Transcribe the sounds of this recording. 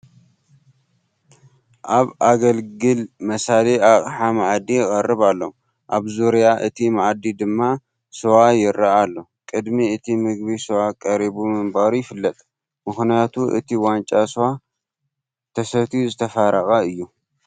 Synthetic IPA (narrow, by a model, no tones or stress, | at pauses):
ʔaβʔaɡɐlɡɨlmɐsaliaχʼħamaʕd̪ijɪkʼɐrːɨβalːo̰ | ʔaβzuɾijaʔɨt̪ʰimaʕd̪id̪ɨmːa | sɨwajɪɾːaalːokʼɨd̪miɨt̪ʰimɨɡ̚bisowakʼɐɾibumɨmbaɾujɪfɨlːɐt̪ʼ | mɨxnijat̪ʰuʔɨ̰t̪ʰiwant͡ʃʼasɨwa | t̪ʰɐsɐt̪ʰizɨt̪ʰɐfaɾɐxʼɐɨjːu